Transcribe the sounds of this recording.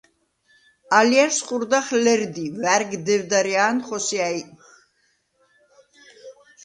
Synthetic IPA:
aljaɾsχuɾd̪aχlɛɾd̪ivæɾɡd̪ɛvd̪aɾiaːnχɔsiaj

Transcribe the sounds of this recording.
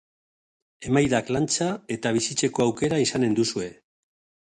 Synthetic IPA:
e̞majðaklant͡sae̞t̪aβ̞isit͡ʃe̞ko̞awke̞ɾaisane̞nd̪usue̞

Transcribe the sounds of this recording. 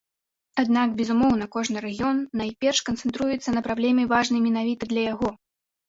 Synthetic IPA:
ad̪nakbʲɛzumɔwnɐkɔʐnɨɾɐɣʲijɔnːajpʲɛrʂkɐnt̪sɛnt̪ɾujɛt̪sːɐnɐpɾablʲɛmʲɛvaʐnɐjmʲɛnavʲit̪ɐd̪lʲɐjaɣɔ

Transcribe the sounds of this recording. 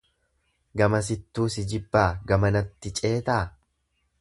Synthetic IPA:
ɡɐmɐs̬ɪt̪ːuːsɪd͡ʒɪbːaːɡɐmɐnɐt̪ːɪt͡ʃʼe̞ːt̪aː

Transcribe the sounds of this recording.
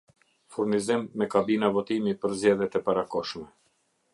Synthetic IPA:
fuɾnizimːɛkabinavɔt̪imipəɾzd͡ʑɛðjɛt̪ɛpaɾakɔʃmɛ

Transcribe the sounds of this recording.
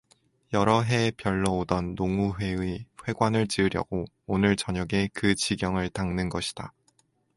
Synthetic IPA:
jʌɾʌɦe̞pjʌɭːʌodʌnːoŋuɸwe̞wiɸwe̞ɡwanɯɭt͡ɕiɯɾjʌ̰ɡ̥o | onɯɭt͡ɕʌɲʌɡe̞kɯt͡ɕiɡjʌŋɯɭtaŋnɯnɡʌɕʰi̥d̥a

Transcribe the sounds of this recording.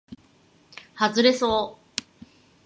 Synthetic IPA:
hazɨɾe̞soː

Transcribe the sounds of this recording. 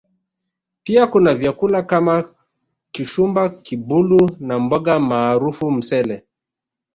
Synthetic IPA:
piakunavjakulakama | kiʃumbakibulunambɔɠamaːɾufum̩sɛlɛ

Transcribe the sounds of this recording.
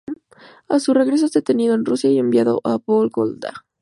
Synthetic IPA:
asure̞ɣɾe̞s̬ozet̪e̞niðoenrusjaie̞mbjaðo̞̰ʔapolɡo̰ld̪a̰

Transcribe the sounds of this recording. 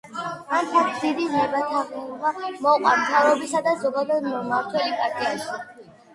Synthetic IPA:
ant̪ʰat̪ʰd̪id̪iznɛbat̪ʰaʁɛmamɔqʼwamt̪ʰavɾɔbisad̪azɔɡad̪ad̪mɔmaɾt̪ʰwɛlipʼaɾt̪ʼiaʃi

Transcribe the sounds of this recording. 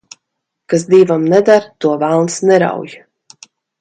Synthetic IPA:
kas̬d̪iːvamnɛd̪aɾt̪uɔvalˠnsnɛɾa̰wj

